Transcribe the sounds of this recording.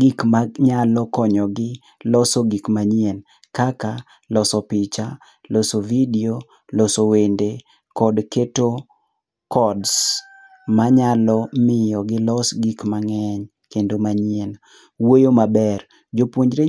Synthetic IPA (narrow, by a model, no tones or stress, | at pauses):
ɡikmaɲalɔkɔɲɔɡɪ | lɔsɔɡikmaɲien | kaka | lɔsɔpɪt͡ʃa | lɔsovidio | lɔsowende | kɔdketo | kɔds | maɲalɔmɪjɔɡɪlɔsɡikmaŋɛɲ | kendomaɲen | wojomabɛr | d͡ʒopwoɲd͡ʒɾe